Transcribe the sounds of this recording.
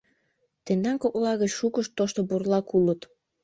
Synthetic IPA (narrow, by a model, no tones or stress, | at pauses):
t̪end̪ɑŋkoʔolɑɣət͡ɕʃukəʃt̪ːoʃt̪oburlɑkulət̪